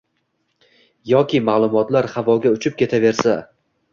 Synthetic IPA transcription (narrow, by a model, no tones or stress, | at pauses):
jɒkʲʰɪmaːlˠʊmɒt̪laɾhavɒɡʲaʊt͡ʃʰɪp̚kʲe̞t̪ʰave̞ɾsa